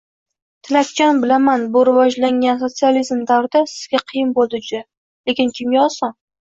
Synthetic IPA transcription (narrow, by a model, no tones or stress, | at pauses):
t̪ʰɪlat̪̚kʲanbɪlamanbʊɾɪvɒd͡ʒlaŋʲans̬o̞t̪sializmd̪awɾd̪asɪzɡʲaqʰɨjɪnbolˠd̪ɪd͡ʒʊd̪a | le̞kʲɪnkʲʰɪmɡʲaɒsɒn